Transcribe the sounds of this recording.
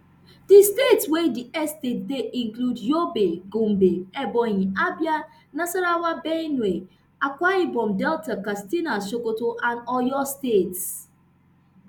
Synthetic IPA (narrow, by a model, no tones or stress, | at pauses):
distetswediɛstedeʔĩŋkludjobeɡum̩beɛbɔjiabja | nasaɾawabene | akʷaibɔmdɛltakastinasokotoʔãnɔjɔstets